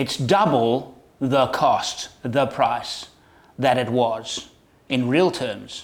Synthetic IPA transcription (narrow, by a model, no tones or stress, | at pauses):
ɨtsd̥ʌbl̩ˠ | ðəkʰɔst̪ðəpʰɹ̥aɪs | ðɨɾɨt̚wʌz̥ | ɨ̃nɹilˠtʰɜ̃˞mz̥